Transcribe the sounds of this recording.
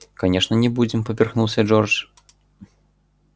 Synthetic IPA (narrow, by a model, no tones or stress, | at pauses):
kanʲɛʂnɐnʲɛbud͡zʲɛmpɐpʲɛrxnuwsʲɐd͡ʐɔrt͡ʂ